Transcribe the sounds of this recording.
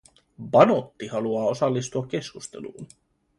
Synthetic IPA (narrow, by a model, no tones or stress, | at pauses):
bɑno̞t̪ːihɑluɑːo̞sɑlːist̪uɑk̟ːe̞skust̪e̞̰lṵːn